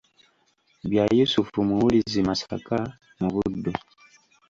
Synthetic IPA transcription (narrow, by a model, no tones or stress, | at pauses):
bjajusufumuulizimasaka | muβudu